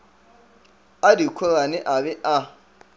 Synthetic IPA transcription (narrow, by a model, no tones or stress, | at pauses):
adikʷʰɔɣanɪʔaβɛʔa